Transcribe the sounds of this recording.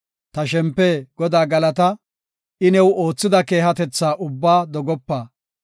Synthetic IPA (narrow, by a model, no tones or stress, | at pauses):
t̪ɐʃ̬ɛmpːɛɡ̥ɔd̪aːɡɐlɐt̪ɐ | ʔɪnɛwo̞ːt͡sːɪd̪ɐke̞ːɦɐt̪ɛt͡sːaːʔʊbːaːd̪ɔɡɔpːaː